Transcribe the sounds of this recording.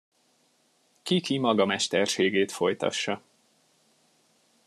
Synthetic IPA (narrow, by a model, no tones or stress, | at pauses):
kikimɒɡɒmɛʃt̪ɛrʃeːɡeːt̪fo̞jt̪ɒ̰ʃːɒ